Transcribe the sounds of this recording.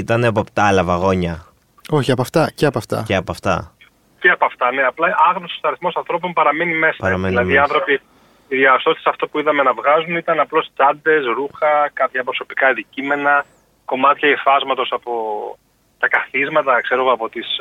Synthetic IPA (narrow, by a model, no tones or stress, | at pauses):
it̪ɐnepopt̪ɐlɐvɐɣo̞ɲɐ | o̞çiɐpɐft̪ɐceɐpɐft̪ɐ̰ceɐpoɐft̪ɐ̰ | ceɐpɐft̪ɐne̞ɐplɐʔɐɣnosist̪ɐɾiθmo̞sɐnθɾo̞p̬o̞npɐɾɐmenime̞sɐɐɾɐmeilɐðiɐnθɾo̞pi | iðiɐst̪o̞st̪esɐft̪opuiðɐme̞nɐvɣɐzunit̪ɐnɐplo̞st͡sɐnd̪e̞sɾuxɐkɐpçɐpɾoso̞pi̥kɐɐnd̪icime̞nɐ | ko̞mɐt̪çɐefɐzmɐt̪o̞sɐpo̞ | t̪ɐkɐθizmɐt̪ɐkse̞ɾo̞ɣoɐpo̞t̪is